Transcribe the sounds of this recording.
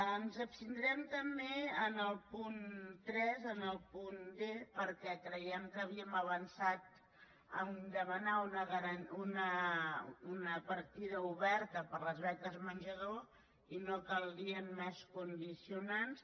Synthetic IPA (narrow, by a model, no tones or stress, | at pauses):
ənzəpst̪ind̪ɾɛmt̪əmbeənəlˠpunt̪ɾɛzənəlˠpundepəɾkɛkɾəjɛmkəːβiəməβənsat̪̚ | ənd̪əmənaunəɣəɾənunə | unəpəɾt̪iðəuβɛɾt̪əpəɾləzβɛk̪əzmənʲʒəðo | inokəlˠd̪iəmːɛskund̪isiunans